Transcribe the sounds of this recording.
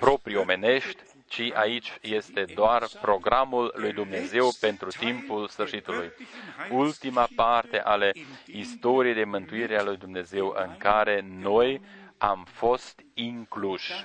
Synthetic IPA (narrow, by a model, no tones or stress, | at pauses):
pɾo̞pɾio̞me̞ne̞ʃt̪ʲ | t͡ʃiʔait͡ʃje̞st̪e̞d̪oarpɾo̞ɡɾamulːujd̪umne̞ze̞wpe̞nt̪ɾut̪impulsfɨrʃit̪ulujult̪imapart̪e̞ʔale̞ist̪o̞ɾijejd̪e̞mɨnt̪uiɾealujd̪umne̞ze̞wɨ̰ŋkaɾe̞no̞jamfo̞st̪iŋkluʃ